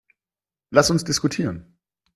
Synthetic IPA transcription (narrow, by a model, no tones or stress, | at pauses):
lasʊnsd̥ɪskutʰiːʁən